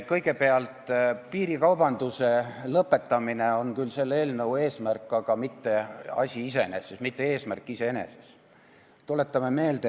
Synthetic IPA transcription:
kɤjɡ̥e̞pe̞ɑlt̪piːɾikɑwb̥ɑnd̪̥use̞lɤpːe̞t̪ːɑmine̞o̞nkylse̞lːe̞ːlnɤue̞ːsmærkːˑɑɡ̥ɑmit̪ːe̞ɑ̰sʲiise̞ene̞sesmit̪ːe̞e̞ːsmærkːˑise̞ene̞̰se̞̥s | t̪ule̞t̪ːˑɑme̞me̞ːld̪̥e

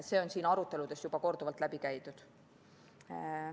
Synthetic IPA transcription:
se̞o̞nsiːnɑɾut̪ːˑe̞lud̪̥e̞sjub̥ɑko̞rd̪uvɑlt̪ˑlæb̥ikæjt̪ud̪̥

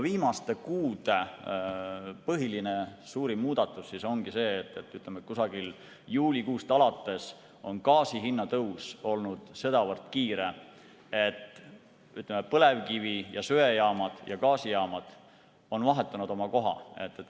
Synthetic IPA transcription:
viːmɑst̪e̞kuːd̪̥e̞ | pɤɦiline̞suːɾimuːd̪̥ɑt̪ːˑusːiso̞ŋɡ̥ise̞ːt̪ːˑet̪ːˑyt̪ˑlemet̪̚kusɑɡil | juːlʲikuːst̪ɑlɑt̪ːˑe̞s | o̞nkɑːsiɦinːɑt̪ɤwso̞lnud̪̥se̞d̪ɑvɤrt̪kiːɾe̞ | e̞t̪ː | yt̪lemepɤle̞vkivijɑsøejɑːmɑd̪̥jɑkɑːsijɑːmɑd̪̥ | o̞nvɑɦe̞t̪ːˑɑnud̪̥o̞mɑko̞ɦɑ̰e̞t̪ˑːet̪

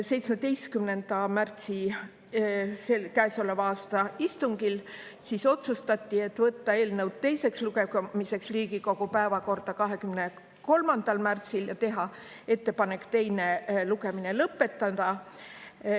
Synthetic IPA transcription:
se̞jt̪smet̪e̞jst̪kymne̞nd̪̥ɑmært̪si | selkæeso̞levɑːst̪ɑist̪uŋɡ̥il | siso̞t̪sust̪ɑt̪ːie̞t̪ːvɤt̪ːɑe̞ːlnɤwd̪̥̚t̪e̞jse̞ksluke̞mise̞ksriːɡiko̞ɡ̥upæevɑko̞rd̪ɑkɑɦe̞kymne̞ | ko̞lmɑnd̪̥ɑlmært̪siljɑt̪e̞ɦɑ | e̞t̪ːe̞pɑne̞kːt̪e̞jne̞luke̞mine̞lɤpːˑe̞t̪ˑːɑd̪̥ɑ

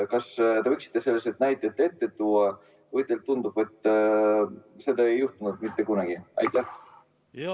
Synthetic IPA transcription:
kɑst̪e̞ɤjksi̥t̪ːˑese̞lːeset̪næjt̪ːˑet̪ːˑe̞t̪ːet̪uːɑ | vɤjt̪ːˑelt̪ːund̪ub̥e̞t̪ːˑ | se̞d̪ɑejːuht̪unud̪mit̪ːe̞kunɑɡ̥iɑ̰jt̪ːˑæh

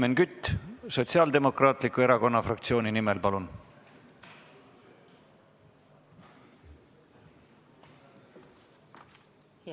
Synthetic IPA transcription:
menkyt̪ːˑso̞t̪siɑːld̪e̞mo̞krɑːt̪likːˑue̞ɾɑko̞nːɑfrɑk̚t̪sio̞ːninimelpɑlun

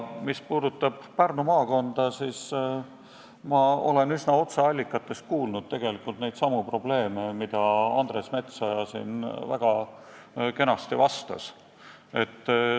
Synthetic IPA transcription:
mispuːd̪ut̪ːˑɑb̥pærnumɑːko̞nd̪̥ɑsiːs | mɑo̞̰le̞nysnɑo̞t̪sɑɑlʲːikːˑɑt̪ːˑe̞st̪̚kuːlnud̪̥̚t̪e̞ɡ̥e̞likːˑult̪nejd̪sɑmupro̞b̥le̞ːme̞mid̪̥ɑɑnd̪̥re̞sme̞t̪sɑjɑsḭnvæ̰ɡ̥ɑ | ke̞nɑst̪ivɑst̪ɑ̰s | e̞t̪ː

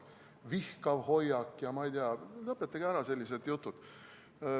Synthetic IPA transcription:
vihkɑvho̞jːɑkːjɑmɑijd̪iɑlɤpːet̪ːˑɑɡ̥iæɾɑse̞lʲːised̪jut̪ːˑud̪̥

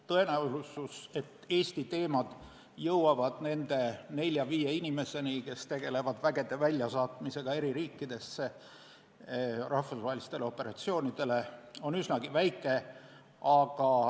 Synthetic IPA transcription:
t̪ɤe̞næulususe̞t̪ːe̞ːst̪it̪e̞ːmɑd̪̥ | jɤwwɑvɑd̪̥ne̞nd̪̥e̞ne̞lʲjɑviːje̞inime̞se̞nike̞st̪e̞ɡ̥e̞le̞vɑd̪væɡe̞d̪e̞vælʲjɑsɑːt̪mise̞ɡ̥ɑe̞ɾiɾiːkːid̪̥e̞sːe̞ | rɑhfusvɑɦelist̪e̞leo̞pːˑe̞ɾɑt̪sio̞ːnʲid̪̥e̞le̞o̞nysnɑɡ̥ivæjkːˑe̞ | ɑɡ̥ɑ

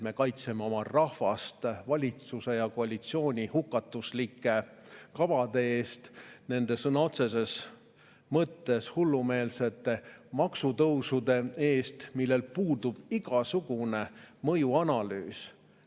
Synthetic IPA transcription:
me̞kɑjt̪se̞meo̞mɑrɑhvɑst̪vɑlʲit̪suse̞jɑko̞ɑlʲit̪sio̞ːnʲihukːˑɑt̪ːˑuslikːˑe̞kɑvɑd̪̥e̞e̞ːst̪ne̞nd̪e̞sɤnɑo̞t̪se̞s̬e̞s | mɤt̪ːe̞shulːume̞ːlse̞t̪ːˑe̞mɑksut̪ɤwsud̪e̞e̞ːst̪milːelpuːd̪ub̥iɡ̥ɑsuɡ̥une̞mɤjuɑnɑly̰ːs

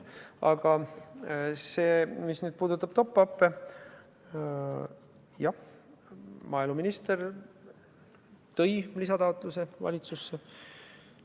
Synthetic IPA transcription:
ɑ̰ɡ̥ɑ | seːmisnyːd̪̥̚puːd̪ut̪ːˑɑb̥t̪o̞pːɑpːe | jɑ | mɑːiluminist̪eɾ | t̪ɤjlisɑt̪ɑot̪ˑluse̞vɑ̰lʲit̪susːe

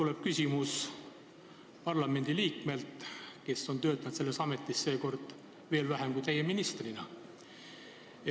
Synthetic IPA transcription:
t̪uleb̥̚kysʲimus | pɑrlɑme̞nʲd̪̥iliːkme̞lt̪ke̞sːo̞nt̪ø̞ːt̪ːˑɑt̪se̞lːesɑme̞t̪ːˑisse̞ːko̞rd̪̥ | ve̞ːlvæɦemkuijt̪ejeminist̪rinɑ

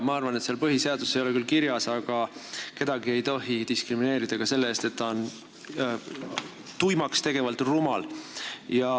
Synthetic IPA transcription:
mɑɑrvɑnet̪seɑlpɤɦise̞ɑd̪̥usejo̞lekylkiɾjɑsɑɡ̥ɑke̞d̪̥ɑɡ̥ie̞jt̪o̞ɦid̪iskrimine̞ːɾid̪̥ɑkɑse̞lːeeːst̪e̞t̪ːɑon | t̪ujmɑkst̪e̞ɡ̥e̞vɑlt̪rumɑljɑ

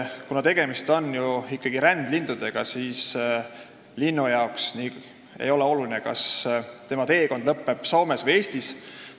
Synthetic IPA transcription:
kunɑt̪e̞ɡ̥e̞mist̪o̞njuikːɑɡ̥iɾænd̪lind̪̥ud̪̥e̞ɡ̥ɑsiːs | linːujɑoksni | ḛjo̞lɛo̞lulinəkɑ̰st̪e̞mɑt̪e̞ːko̞nd̪lɤpːe̞b̥so̞ːmesvəje̞ːsʲt̪is

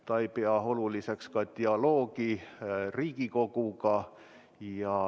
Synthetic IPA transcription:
t̪ɑipeɑholulisekskɑt̪ʲiɑloːkiriːkikokukɑ | jɑ

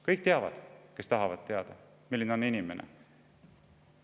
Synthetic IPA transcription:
kɤjk̚t̪e̞ɑvɑ̰d̪̥ke̞st̪ɑɦɑvɑd̪̥t̪e̞ɑd̪̥ɑ | milːineo̞ninime̞nʔḛ

